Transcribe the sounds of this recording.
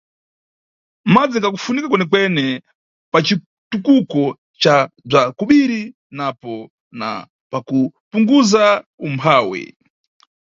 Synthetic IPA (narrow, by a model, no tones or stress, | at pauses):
mad͡ziŋɡak̬ufunikakwɛnɛkwɛnɛ | pat͡ʃi | tukukɔ | t͡ʃab͡ʐakuɓiɾi | napɔ | na̰ | pakupuŋɡuzaumpʰaːwɛ̰